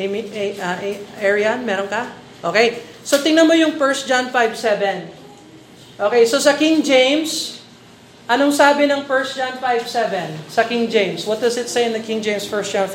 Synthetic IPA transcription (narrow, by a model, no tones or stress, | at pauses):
miʔɐʔɛʔɛɹianmɛːɾonkɐ | ʔoːkej | sot̪ɪŋnɐnmojʊŋfɛɹs̚d͡ʒanfajvsɛvɛ̃n | ʔoːkejsosɐkɪ̃ŋd͡ʒẽjms | ʔɐnoŋsaːbɪnɐŋfɛɹsd͡ʒanfajvsɛvɛ̃nsɐkɪ̃ŋd͡ʒẽjmswɔt̪̚d̪ɐsɪt̪sejɪnd̪ɐkɪ̃ŋd͡ʒẽjmsfɛɹsd͡ʒãn